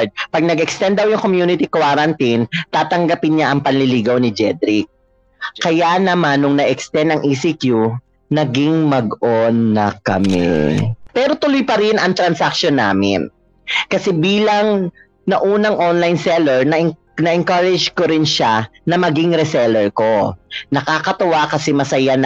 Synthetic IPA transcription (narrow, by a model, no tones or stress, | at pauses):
d̪̚pɐɡ̚nɐɡɛkst̪ɛnd̪ɐwjʊŋkomjuːnɪt̪ikwaːɾɐnt̪int̪aːt̪ɐŋɡɐpɪnɲaʔɐŋpɐnlɪliːɡɐwnɪd͡ʒɛd̪ɾɪk̚ | kɐjanɐmanːʊŋnɐʔɛkst̪ɛnd̪ɐŋʔisikju | nɐɡɪŋmɐɡʔonːɐ̰kɐ̰mɛ̰pɛːɾo̞t̪ʊlojpɐɾɪnɐŋt̪ɾɐnsak̚ʃonːa̰ːmɪ̰n | kɐsɛbiːlɐŋ | nɐʔuːnɐŋʔonlajnsɛlɛɹnɐʔɪ | nɐʔɪŋkaɾɛd͡ʒkoɾɪnʃanɐmɐɡiŋɾɛsɛlɛɹko̞nɐkakɐt̪ɐwakɐsɛmɐsɐjan